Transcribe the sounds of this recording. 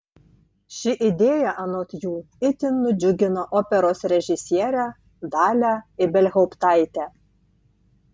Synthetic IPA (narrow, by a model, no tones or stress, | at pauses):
ʃʲɪʔid̪ʲeːjæʔɐnoːt̪ʲjuː | ɪt̪ʲɪnːʊd͡ʒʲʊɡʲɪnoʔoːpʲɛɾoːsɾʲɛʒʲɪsʲjɛːɾʲæ | d̪ɑːlʲæɪbʲɛlʲɣʲoʊpt̪ɑjt̪ʲæ